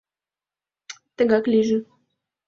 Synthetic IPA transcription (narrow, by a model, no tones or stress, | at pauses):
t̪ə̆ɡɑkliʒə̆